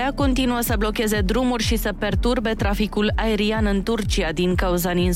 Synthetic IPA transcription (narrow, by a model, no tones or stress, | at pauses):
ako̞nt̪inuəsəblo̞kʲe̞ze̞d̪ɾumurʲʃisəpe̞rt̪urbe̞t̪ɾafikulae̞ɾianɨnt̪urt͡ʃiad̪iŋkauzanin